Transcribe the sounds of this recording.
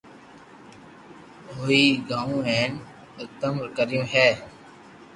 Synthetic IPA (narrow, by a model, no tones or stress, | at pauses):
ɦoːiːɡãːũːɛ̃ːn | ɪk̚t̪əmɾkəɾjõːɦɛː